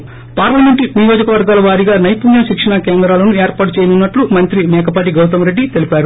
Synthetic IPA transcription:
paːɾlɐmeɳʈinijo̞ːd͡ʒɐkɐʋɐɾɡaːlɐʋaːɾiɡaːnɐjpuːnjɐʃikʂɐɳakeːnd̪ɾaːlɐnueːɾpaːʈut͡ʃɛːjɐnunːɐʈlumɐnt̪ɾimɛːkɐpaːʈ̬iɡɐwt̪̬ɐmɾe̞ɖːit̪e̞lipaːɾu

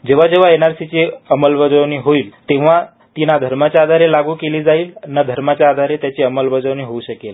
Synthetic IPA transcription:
d͡ʑeʋ̤ad͡ʑeʋ̤aenaɾsit͡ɕeəməlbəd͡zəʋniːɦoiːlt̪eʋ̤a | t̪inad̪ʱəɾmat͡ɕaaːd̪ʱaɾelaɡuːkeliːd͡zaiːlnːad̪ʱəɾmat͡ɕjaːd̪ʱaɾet̪jat͡ɕeəməlbəd͡zəʋniɦouɕəkel

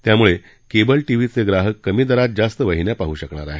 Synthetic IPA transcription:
t̪jamuɭe | kebəlʈiʋiːt͡seɡɾaɦəkːəmiːd̪əɾat̪̚d͡zast̪əʋəɦinjapaɦuːɕəkɳaɾa̰ɦe

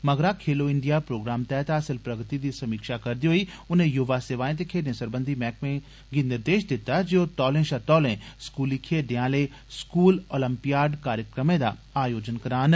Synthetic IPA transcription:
mɐɡɾakʰeːloɪ̃ɳɖijapɾoːɡɾaːmt̪ɛːɦt̪aːsɪlpɾɐɡt̪id̪iːsɐmiːkʃakɐɾd̪ijoɦoiʊn̤ẽjʊʋaseːʋaːɪ̃t̪ekʰeːnɪ̃səɾbə̃nd̪ʱimɛːkmẽ | ɡɪnd̪ɪɾd̪eːʃd̪ɪt̪ad͡ʒiot̪ɔːlẽʃɐɾt̪ɔːlẽskuːlikʰeːɖɪ̃jãːle | skuːloːlə̃mpijaːɖkaːɾjəkɾəmẽd̪a̰aːjoːd͡ʒənkɐɾaːn

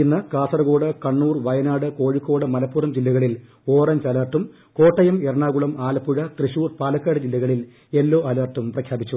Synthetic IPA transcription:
inːɨkaːsɐrɐɣo̞ːɽɨkɐɳːuːrʋɐjɐnaːɽɨko̞ːɻikːo̞ːɽɨmɐlɐpːuːrɐmd͡ʑilːɐɣɐɭil | o̞ːrɐɲd͡ʑɐlɐːrʈːum | ko̞ːʈːɐjɐmerɐɳaːɣuɭɐmaːlɐpːuɻɐt̪riɕuːrpaːlɐkːaːɽɨd͡ʑilːɐɣɐɭil | elːoːʔɐlɐːrʈːumprɐkʰjaːbit͡ɕːu

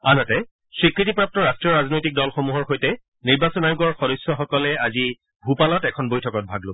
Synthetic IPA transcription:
anɔtɛ | sɹikɹitipɹap̚tɔɹastɹiɔɹaznojtik̚dɔlxomuɦɔɹxojtɛ | niɹbasɔnajuɡɔɹxɔdɔsːɔxɔkɔlɛazi | bʱupalɔtɛkʰɔnbojtʰɔkɔt̚bʱaɡlo

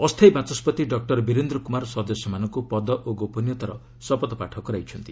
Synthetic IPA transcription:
ɔst̪ʰejbat͡ʃɔspɔt̪iɖɔk̚ʈɔɾbiɾend̪ɾɔkumaɾsɔd̪ɔsjɔmanɔŋkupɔd̪ɔʔoɡopɔnjɔt̪aɾɔ | sɔpɔt̪ɔpaʈʰɔkɔɾajt͡ʃʰʌnt̪i

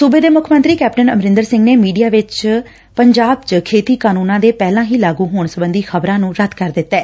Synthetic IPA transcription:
subeːd̪eːmʊkʰmə̃nt̪ɾiːkɛːp̚ʈənəmɾɪ̃nd̪əɾsɪ̃ŋɡneːmiːɖijaːʋɪt͡ʃ | pəɲd͡ʒaːbt͡ʃkʰeːt̪iːkaːnũːnãːd̪eːpɛːlãːɦiːlaːɡũːɦoːɳsəbənd̪iːxəbɾãːnũːɾəd̪kəɾd̪ɪt̪ːɛː

